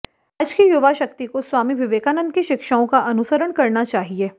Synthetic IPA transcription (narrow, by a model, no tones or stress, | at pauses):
ɐd͡ʒkijʊʋaʃɐk̚t̪ikoswaːmiʋɪʋeːkaːnə̃nd̪̚kiʃɪkʃaːõkaʔɐnʊsəɾəɳkɐɾnat͡ʃaːɦieː